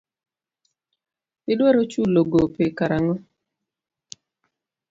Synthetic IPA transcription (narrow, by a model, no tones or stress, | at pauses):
pɪdwɛɾot͡ʃuloɡopɪkaɾaŋɔ